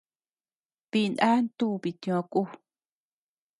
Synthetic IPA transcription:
βi˧na˦nt̪u˦˨˧βi˨t̪ĩ˧˨ã˧ku˦˨

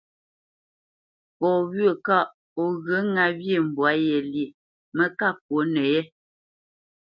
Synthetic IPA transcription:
pɔ˨wɥə˨ka˦˨ | o˨ɣə˨˦ŋa˨bje˦˨m̩˨bwa˨˦jɛ˨li˨ | mə˦ka˦k̚wo˨˦nɛ˨jɛ˦

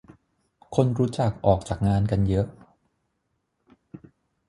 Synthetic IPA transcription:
kʰo˧nɾuː˦˥t͡ɕa˨˩k̚ʔɔː˨˩k̚t͡ɕaː˨˩k̚ŋaː˧nka˧njɤ˦˥ʔ

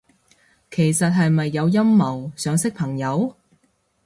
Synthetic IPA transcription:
kʰe˨˩jsɐ˨t̚ɦɐ˨jmɐ˨jːɐ˨˧wjɐ˥mːɐ˨˩wsœː˨˧ŋsɪ˥k̚pʰɐ˨˩ŋjɐ˨˧w

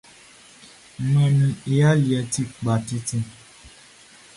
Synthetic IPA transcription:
mɛ̃˨mĩ˧e˨ja˦li˨ɛ˧ti˦k͡pa˨ti˦tĩ˧

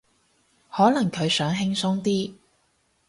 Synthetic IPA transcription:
hɔː˨˥nɐ˨˩ŋkʰɵ˨˧ɥsœː˨˥ŋɦɪ˥ŋsʊ˥ŋt̪iː˥

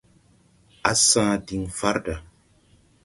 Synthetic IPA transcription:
a˦sãː˦di˨ŋfa˦ɾda˨

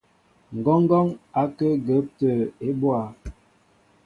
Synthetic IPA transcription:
ŋ̩˨ɡɔ˦ŋ˦ɡɔ˦ŋa˨˦kə˦ɡə˨˦p̚tə˨e˦bwa˨

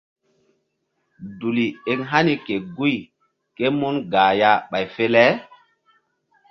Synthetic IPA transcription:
du˨li˨e˨ŋɦa˦ni˨ke˨ɡu˦j | ke˦mu˦nɡaː˨ja˦ɓa˨jfe˦lɛ˦

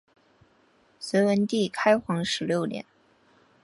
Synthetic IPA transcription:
swe˧˥ɪwə˧˥nt̪i˥˩kʰa˥ɪxwɑ˧˥ŋʂɻ̩˧˥ljo˥˩ʊt̪jɛ̰˨˩˦n

